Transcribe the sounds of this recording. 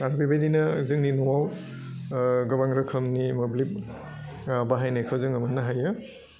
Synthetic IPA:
aɾbibajdinɐzɯŋninɔwaw | ɡɐbaŋɾɐkʰɐmnimɐblip̚ | baɦajnajkʰawzɯŋɐmɐnːaɦajɯ

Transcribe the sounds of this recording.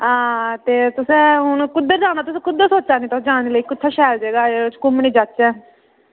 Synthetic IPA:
ãːt̪eːt̪ʊsẽːɦʊnkʊd̪ːəɾd͡ʒaːñaːt̪ʊsẽːkʊd̪ːesoːt͡ʃaːniːt̪ɔd͡ʒaːniːləiːkʊt̪ʰːaːʃɛːld͡ʒeːɡaːeːʊt͡ʃkʊmniːd͡ʒatːt͡ʃɛː

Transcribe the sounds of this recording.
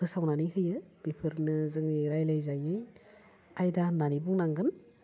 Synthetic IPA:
ɯsawnaniɦɯjɯb̥ipʰɯɾnɯzɯŋniɾajlɯjzajɯj | ajdananibuŋnaŋɡɯn

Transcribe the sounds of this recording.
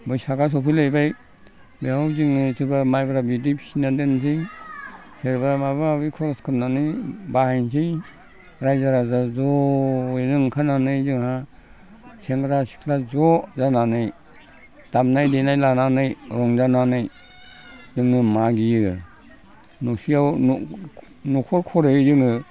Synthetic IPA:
bɔjsaɡas̬ɔpʰilejbaj | behawziŋnɯsʰɯɾbamajbaɾabidipʰi̥sinadɯnsʰiŋ | seɾbaɾamajbaɾabikʰɔskʰɯnnanɯjbahajnsʰij | ɾajzaɾazazɔjzɯŋkʰananɯjzɯŋha | seŋɡɾasi̥kʰlazɔzananɯj | d̥amnajdenajlananɯjɾɔŋzananɯj | zɯŋɯmaɡijɯ | nusijawn | nukʰɔɾkʰɔɾɯzɯŋɯ

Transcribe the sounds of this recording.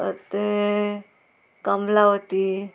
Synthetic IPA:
ə̰t̪e | kəmlaɦot̪i

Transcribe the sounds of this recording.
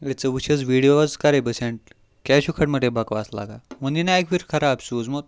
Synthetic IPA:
jɛt͡səʋuɕəd͡zʋiɽijoʋad͡zkaɾebəsẽɳʈ̚ | kaɕukʰaʈməʈebakʋasla̰ɡaməninaekʋiɾkʰəɾabsud͡zmot̪̚

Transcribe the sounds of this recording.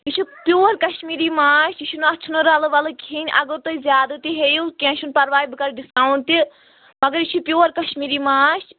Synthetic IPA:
it͡ʃʰupjoːɾkɐʃmiːɾimaːʃit͡ʃʰunɐt͡ʃʰunoɾɐlɐʋɐlɨkʰinʲʔɐ̰ɡoɾt̪oizʲjaːd̪ɐt̪iɦejukʲẽːʃʰunpɐɾʋaːjibɨkɐɾɖiskaːwɳt̪i | mɐɡɐɾit͡ʃʰupjoːɾkɐʃmiːɾimaːʃ

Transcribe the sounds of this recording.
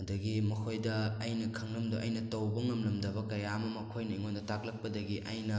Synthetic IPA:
ɐdɐɡimɐkʰojdɐːjnɐkʰɐŋlɐmdoʔɐjnɐtɐwbɐŋɐmlɐmdɐbɐkɐjamɐmɐkʰojnɐiŋondɐtak̚lɐk̚pɐdɐɡiʔɐjnɐ

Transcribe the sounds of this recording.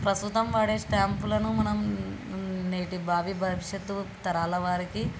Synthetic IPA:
pɾɐst̪ut̪ɐmʋaːɽeːsʈaːmpulɐnumɐnɐm | neːʈibʱaːʋibʱɐʋiʂjɐt̪ːut̪ɐɾaːlɐʋaːɾiki

